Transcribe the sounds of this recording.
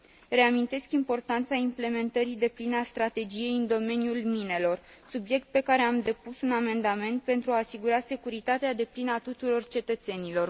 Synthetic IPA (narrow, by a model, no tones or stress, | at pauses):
re̞amint̪e̞skimpo̞rt̪ant̪saimple̞me̞nt̪əɾid̪e̞plinəast̪ɾat̪e̞d͡ʒije̞jɨnd̪o̞me̞njulmine̞lo̞r | subje̞k̚t̪̚pe̞kaɾe̞amd̪e̞pusuname̞nd̪ame̞nt̪̚pe̞nt̪ɾuaːsiɡuɾase̞kuɾit̪at̪ead̪e̞plinəat̪ut̪uɾo̞rt͡ʃe̞t̪ət̪se̞nilo̞r